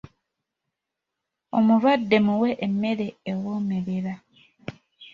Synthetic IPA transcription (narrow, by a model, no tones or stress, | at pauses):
omuβadːe̞muwe̞ʔːmːe̞ɾeːwoːmeɾiɾa